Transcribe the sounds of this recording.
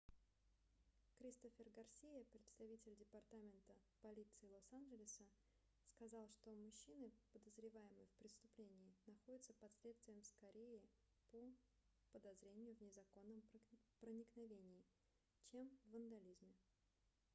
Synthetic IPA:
kɾʲist̪ofʲɪrɡɐrsʲejəpɾʲɪt̪st̪ɐvʲitʲɪlʲdʲɪpɐrt̪amʲɪnt̪əpɐlʲit̪sɨɪlˠosanʐɪlʲɪsə | skɐzɑlˠʂt̪o̞mʊɕːinɨpəd̪əzɾʲɪvajɪmɨjfpɾʲɪst̪ʊplʲenʲɪːnɐxo̞dʲɪt̪səpɐslʲet̪st̪vʲɪjəmskɐɾʲejɪ | po | pəd̪ɐzɾʲenʲɪjʊvnʲɪzɐko̞nːəmpɾənʲɪknɐvʲenʲɪɪ | t͡ɕe̞mvənd̪ɐlʲizmʲɪ

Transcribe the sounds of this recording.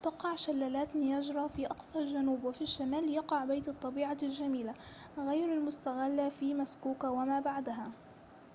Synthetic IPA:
t̪ɑqɑʕʃalːaːlaːt̪nɪjad͡ʒɾˤɑfiʔɑqsˤɑld͡ʒanuːbwɪfiʃːamaːljɑqɑʕbajt̪ɑt̪ˤːɑbiːʕalʒamiːlaɣajɾalmʊst̪aɣalːafiːmaskuːkwamaːbaʕd̪aɦa

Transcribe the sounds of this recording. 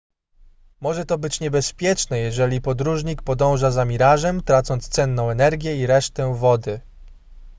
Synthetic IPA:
mɔʐɛt̪ɔbɘt͡ɕɲɛbɛspʲjɛt͡ʂnɛjɛʐɛlʲipɔd̪ɾuʐɲik̚pɔd̪ɔ̃w̃ʐazamʲiɾaʐɛmt̪ɾat̪sɔnt̪st̪sɛnːɔ̃w̃ɛnɛɾɡʲjɛiɾɛʂt̪ɛvɔd̪ɘ

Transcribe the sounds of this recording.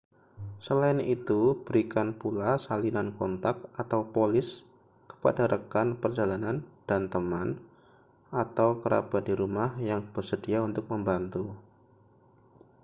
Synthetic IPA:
səlaɪnit̪ub̥əɾikanpulasalinankɔnt̪ak̚ʔat̪awpolɪs | kə̥pa̰daɾʔəkanpərd͡ʒalanand̥ant̪əman | at̪awkəɾa̰bat̪̚diɾumahjaŋb̥ərsədiaunt̪ʊk̚məmbant̪u

